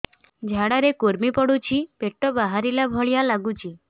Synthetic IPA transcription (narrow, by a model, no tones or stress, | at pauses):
d͡ʒʱaɽaɾekuɾmipɔɽut͡ʃʰipeʈːobaɦaɾilabʱɔɭjalaɡut͡ʃʰi